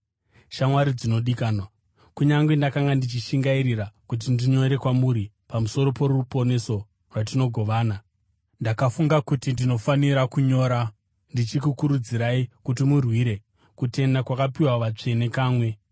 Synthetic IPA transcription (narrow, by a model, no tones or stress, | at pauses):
ʃamwaɾid͡zino̞ɗikaːnwa | kuɲaŋɡwendakaŋɡandit͡ʃiʃiŋɡaiɾirakut̬indiɲo̞ɾe̞kwamuɾi | pamuso̞ɾo̞po̞rupo̞ne̞so̞ | rwatino̞ɡʱo̞ʋaːna | ndakafuŋɡakutindino̞faniɾakuɲo̞ːɾa | ndit͡ʃikukuɾud͡ziɾaikutimurwiɾe̞ | kute̞ndakwakapiwaʋat͡ʂe̞ne̞kaːmwe̞